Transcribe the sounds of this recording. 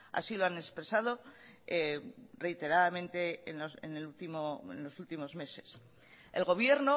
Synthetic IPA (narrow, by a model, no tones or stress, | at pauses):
a̰siloane̞spɾe̞sað̞o̞ere̞jt̪e̞ɾaðamẽ̞nt̪e̞ːnosḛnelult̪imoḛnlo̞sult̪imo̞zme̞se̞̥s | elɣo̞β̞je̞ɾno